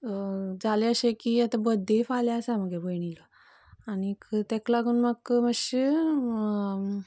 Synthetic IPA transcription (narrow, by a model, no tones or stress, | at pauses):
d͡zaleəɕekiːat̪abəd̪ʱefaljaəsaməɡebəjɳilə | anikt̪eklaɡuːnməkməɕe